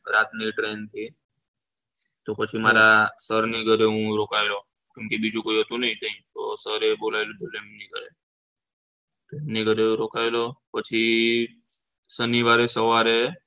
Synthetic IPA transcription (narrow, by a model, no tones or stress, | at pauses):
ɾat̪niʈɾent̪ʰi | t̪opət͡ʃʰimaɾasəɾniɡʱəɾeɦũɾokaelo | kjʊ̃mkebid͡ʒũkoiɦət̪ũnəɦĩnəĩt̪osəɾebolaelõd̪olemniɡəɾe | t̪emniɡʱəɾeũɾokaelopət͡ʃʰi | səniʋaɾesəʋaɾe